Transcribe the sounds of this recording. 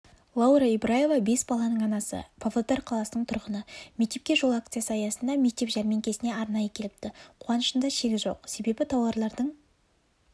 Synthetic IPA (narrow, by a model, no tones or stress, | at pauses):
lˠɑwɾaibɾaje̞vabe̞sbɑlˠɑnəɴɑnɑsə̰pʰovlˠot̪arʲqʰɑlˠɑsənəɴt̪ʰʊɾʁənəme̞k̚t̪e̞p̚kʲe̞ʒo̞lˠakt̪sɨjasəɑjɑsənd̪ɑme̞k̚t̪epʒæɾmeŋkʲʰe̞sɪne̞ɑɾnɑjəkʲʰe̞lɪp̚t̪ɪqʰuɑnəʃənd̪ɑʃeɡʲɪzʒo̞̰qse̞be̞bɪt̪ʰɑwɑɾlˠɑɾd̪əɴ